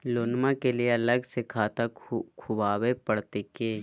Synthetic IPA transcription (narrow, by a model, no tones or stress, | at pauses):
loːnmãkelieɐləɡsekʰaːt̪akkʰʊbaːwepɐɽt̪ekeː